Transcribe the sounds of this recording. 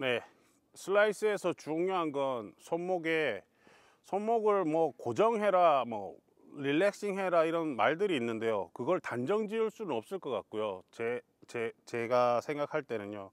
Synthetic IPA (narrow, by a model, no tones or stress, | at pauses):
ne̞ | sʰɯɭːais͈ɯe̞sʰʌt͡ɕuŋjoɦanɡʌnsʰonmoɡe̞ | sʰonmoɡɯɭmʌkod͡ʑʌŋɦe̞ɾamwʌ | ɾilːek̚s͈iŋɦe̞ɾaiɾʌnmaɭdɯɾiːnːɯnde̞jokɯɡʌɭtand͡ʑʌŋd͡ʑiɯɭs͈unɯnʌp̚s͈ɯɭk͈ʌk͈a̰k̚k͈ujot͡ɕe | t͡ɕet͡ɕe̞ɡasʰe̞ŋɡakʰaɭt͈e̞nɯɲo